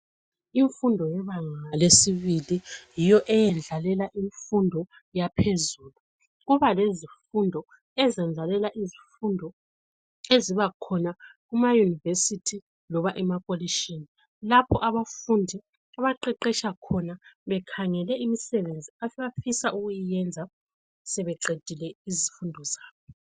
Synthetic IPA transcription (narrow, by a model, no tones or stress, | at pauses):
iɱfundʱɔjɛβaŋalesiβilijijɔʔɛjɛnd͡ɮʱalɛlaʔiɱfundʱɔ | japʰezuːlu | ɣuβalezifundʱɔ | ɛzɛnd͡ɮʱalɛlaʔizifundʱɔ | eziβakʰɔnaɣumajunivesitʰi | lɔβaʔɛmakʼoliʃini | lapʰɔʔaβafundʱi | aβaǃɛǃɛʃakʰɔnaβɛkʰaŋɛlɛimisɛβend͡zʱiafβafisauɣujijɛnd͡zʱa | sɛβɛǃed̥ʱilɛizifundʱɔzaːβɔ